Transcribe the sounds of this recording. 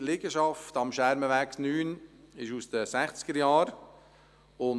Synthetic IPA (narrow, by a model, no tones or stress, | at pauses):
lɪɡəʃɑftɑmʃæɾməʋæknyːnɪʃusd̥̪əsæχt͡sɪ̥ɡ̥əɾjɑːɾ | ʊn